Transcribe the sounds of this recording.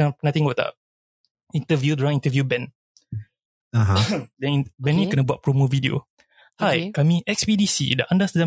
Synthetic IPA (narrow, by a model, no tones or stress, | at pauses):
anat̪iŋɡot̪a̰ʔ | int̪əvjudɾãŋĩnt̪əvjubɛ̃n | aɦadɛ̃nibɛ̃nːikənəbuat̚pɾomovidio̰ | hajkamĩʔɛk̚spidisḭda̰ʔandasəd͡ʒa